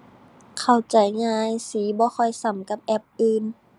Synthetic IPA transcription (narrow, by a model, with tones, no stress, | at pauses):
kʰa˨˩wt͡ɕa˨˩jŋaː˧˨jsiː˨˦bɔː˧˦xʰɔ˧˩jsa˨˦mka˧˦p̚ʔɛ˧˦p̚ʔɯː˧n